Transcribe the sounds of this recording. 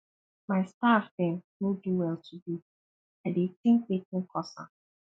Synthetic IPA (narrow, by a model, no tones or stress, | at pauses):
maɪstafdɛ̃nnoduwɛltʰudu | aɪdetɪ̃ŋk̚wekɪ̃kʰɔsa̰